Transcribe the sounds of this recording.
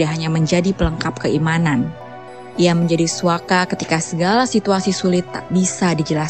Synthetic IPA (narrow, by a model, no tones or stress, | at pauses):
daɦaɲaməɲd͡ʒadipələŋkap̚kəimanan | iaməɲd͡ʒadisuakakət̪ikasəɡalasit̪uasisulɪt̪bisadid͡ʒəlas